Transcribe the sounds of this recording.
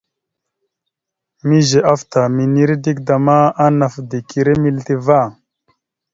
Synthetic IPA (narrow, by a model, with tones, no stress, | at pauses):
mi˦ʒe˨ʔa˦ft̪a˨mi˨ni˦ɾi˦di˦k̚da˨ma˦a˦na˨fd̪i˨ki˨ɾe˦mi˦lt̪i˦va˦˨